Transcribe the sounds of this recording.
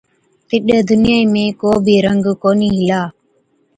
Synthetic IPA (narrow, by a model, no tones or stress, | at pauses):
t̪ɪɗəːd̪ʊnɪjaːiːmẽːkoːbʱiːɾəŋɡkoːniːɦɪlaː